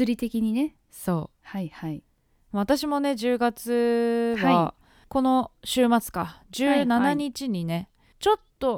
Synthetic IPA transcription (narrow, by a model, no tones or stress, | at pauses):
ɨɾʲit̪e̞kʲiɲ̟ine | so̞ː | haihai | mβ̞at̪aɕimo̞ne̞d͡ʑɨːɡat͡sɨβa | ko̞no̞ɕɨːmat͡sɨ̥kad͡ʑɨːnanaɲ̟it͡ɕiɲ̟ine̞ | t͡ɕo̞t̪ːo̞